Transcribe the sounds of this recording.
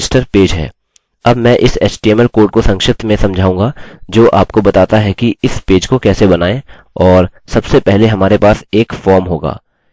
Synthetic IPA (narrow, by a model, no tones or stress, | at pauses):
sʈəɾpeːd͡ʒɦɛ̰ː | ɐbmɛ̃ːʔɪsḛːt͡ʃʈiɛmɛlkoːɾʈ̚kosɐ̃ŋkʃɪt̪ʰmẽsɐ̃md͡ʒʱaːũːŋɡad͡ʒoːʔaːpkobɐt̪aːt̪aɦɛkiɪspeːd͡ʒkokɛːsebɐnaːẽ | ɔːɾsɐbsepɛɦleɦɐmaːɾepaːseːkfɔːɾmɦoːɡa̰ː